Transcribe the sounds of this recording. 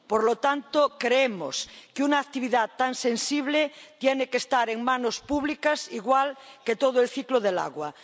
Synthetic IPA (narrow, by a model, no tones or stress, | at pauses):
poɾlot̪ant̪okɾeemo̰skeunaːk̚t̪iβ̞iðat̪ːansensiβlet̪jenekest̪aɾeŋmãnospuβ̞likasiɣwalket̪oð̞oelθikloðela̰ɣwa